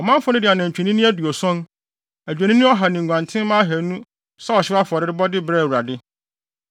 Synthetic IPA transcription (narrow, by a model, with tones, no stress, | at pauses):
ɔ˨mã˦m˦fʊ˦nɪ̃˦dɪ˨a˨nã˨ɲ̩˨t͡ɕᶣi˨nĩ˦nĩ˦æ˦du˨ɔ˨sɔ̃˦n | æ˨d͡ʑᶣæ˨nĩ˦nĩ˦ɔ˦ɦa˨nĩ˨ɡʷã˨ntʰɪ̃˦mãː˦ɦæ˨˦nũ˦ | sa˦ɔ˨ɕɪ˦a˦fʊ˨ɔ˨ɾɪ˦ɾɪ˦bɔ˦dɪ˦bɾɛ˦˨wu˨ɾa˨dɪ˦